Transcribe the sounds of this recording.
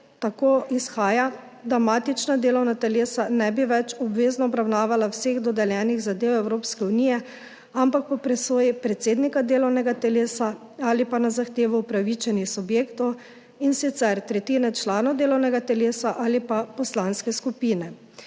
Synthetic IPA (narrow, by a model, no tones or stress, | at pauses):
t̪akoːʔisxaːja | d̪ɾamaːt̪it͡ʃnad̪eːlɔwnat̪ɛleːsanɛbiʋɛt͡ʃɔbʋeːznɔɔbɾawnaːʋalawseɣd̪ɔd̪ɛljɛːniɣzad̪eːwɛwɾoːpskɛuniːjɛ | ampak̚pɔpɾɛsoːjipɾɛt̪seːd̪nikad̪eːlɔwnɛɡat̪ɛleːsa | alipanazaxt̪eːʋɔupɾaʋit͡ʃɛnixsubjeːkt̪ɔw | insit̪sɛɾt̪ɾɛt̪iːnɛt͡ʃlaːnɔwd̪eːlɔwnɛɡat̪ɛleːsaʔaːlipapɔslanskɛskupiːnɛ